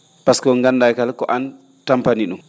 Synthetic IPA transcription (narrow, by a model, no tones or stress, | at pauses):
paskɔŋɡandajkalkɔʔan | tampaniɗum